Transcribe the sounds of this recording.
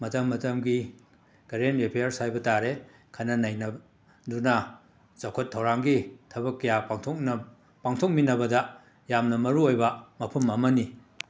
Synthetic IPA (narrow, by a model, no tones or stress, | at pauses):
mɐtɐmːɐtɐmɡi | ɡ̥ɐɾenɾepʰejɐɾsajbɐtaɾe | kʰanɐnajnɐ | dunɐ | zakʰotʰːɐwɾaŋɡitʰɐbɐkːɐjaaŋtʰokn | paŋtʰok̚minɐbɐdɐ | jamnɐmɐɾuojbɐmɐpʰɐmɐmɐni